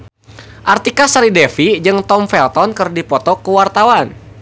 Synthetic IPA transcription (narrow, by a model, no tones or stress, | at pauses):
ʔart̪ikasaɾidɛfid͡ʒɨŋt̪ɔmfɛlt̪ɔnkərdipɔt̪ɔkəwart̪awan